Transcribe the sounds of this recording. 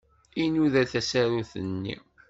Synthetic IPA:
inuðæθæsæɾuθənːḭ

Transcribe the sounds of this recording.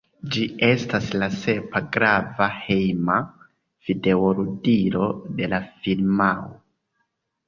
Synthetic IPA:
d͡ʒie̞staslase̞paɡɾavahejma | fide̞oɾudiɾo̞de̞lafilmawo

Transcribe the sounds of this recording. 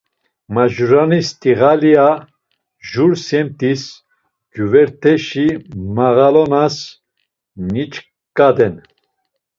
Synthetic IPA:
maʒuɾanist̪ʼiɣalia | ʒuɾsɛmt̪ʰis | ɡuvɛɾt̪ʰɛʃimaɣalɔnas | nit͡ʃ | kʼad̪ɛn

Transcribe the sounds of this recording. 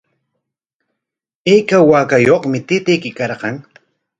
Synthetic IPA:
ejkawaːkajoχmɪt̪ɪt̪ɪjkɪkɑɾqɑŋ

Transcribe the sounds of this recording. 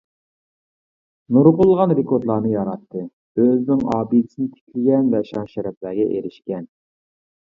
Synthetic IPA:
nuɾqʊlˠʁɑnɾekʰoɾt̪lˠɑːnɨjɑɾɑt̪ʰːɨ | øznɪŋɑːbid̪sɪnɪt̪ʰe̥kʲʰlɪɡʲɛnvɛʃɑnʃæɾɛplæɾɡʲɛʔeɾɪʃkʲɛn

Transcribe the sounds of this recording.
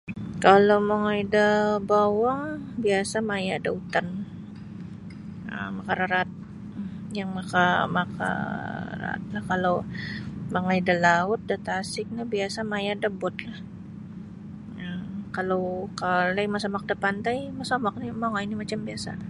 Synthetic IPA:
kalomaŋaidəbawaŋbiasamajadaut̪an | ə̰makaɾaɾat̪̚ | jaŋmakamaka̰ra̰t̪̚lahkalow | maŋaidalaʊt̪̚dat̪asɪk̚nabiasamajadəbʊt̪̚lah | əkalowkalajmasamak̚dəpant̪ajmasamak̚nimaŋainimat͡ʃambiasa̰

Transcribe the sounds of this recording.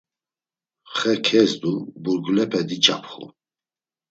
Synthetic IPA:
χɛkʰɛzd̪ubuɾɡlɛpʰɛd̪it͡ʃʼa̰pʰχṵ

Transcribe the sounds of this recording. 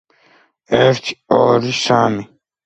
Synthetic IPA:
ɛɾt̪ʰi̥ɔɾisami

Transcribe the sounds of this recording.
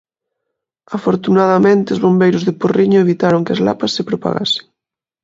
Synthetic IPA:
afoɾt̪unaðamẽnt̪ɪʊzβombejɾʊzðɪporiɲʊeβit̪aɾoŋkɪazla̰pasːɪpɾopa̰ɣa̰sɪ̥ŋ

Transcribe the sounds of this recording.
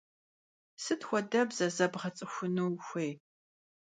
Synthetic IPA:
sɨtxʷɔdɐbzɐzɐbʁɐt͡sʼɨxʷʊnuwxʷeːj

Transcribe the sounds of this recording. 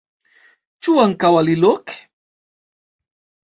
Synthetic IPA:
t͡ʃʊaŋkawalɪlok

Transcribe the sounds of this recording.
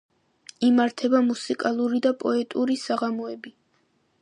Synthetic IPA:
imaɾt̪ʰɛbamusikʼalˠuɾid̪apʼɔɛt̪ʼuɾisaʁamɔɛbi

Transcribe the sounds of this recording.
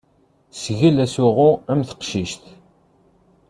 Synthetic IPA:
sʝilæsuʁʊæmθə̥qʃiʃt̪

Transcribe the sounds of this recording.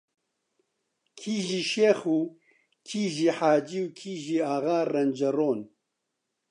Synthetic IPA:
kʰiːʒiːʃeːxuː | kʰiːʒiːħaːd͡ʒiːwkʰiːʒiːaɣaːrɐnd͡ʒɐɾoːn

